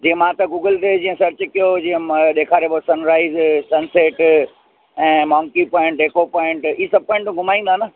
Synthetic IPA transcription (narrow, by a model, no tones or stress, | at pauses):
d͡ʑiːə̃mãːt̪ɐɡuːɡəlɖ̪ed͡ʑĩːə̃sɐɾt͡ɕkijod͡ʑĩːə̃ɗeːkʰaːɾebosɐnɾaːizsɐnseːʈ | ɛ̃ːmɔːŋkipɔ̃ːɪ̃ɳʈeːkopɔːɪ̃ɳʈisɐb̚pɔ̃ːɪ̃ɳʈːɡʱʊmaːĩnd̪anə